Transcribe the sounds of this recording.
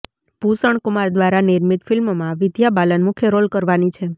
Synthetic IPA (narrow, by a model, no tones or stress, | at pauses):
bʱusəɳkumaɾd̪ʋaɾaniɾmit̪fɪlmmãʋɪd̪jabalənmukʰjeɾolkəɾʋanit͡ʃʰe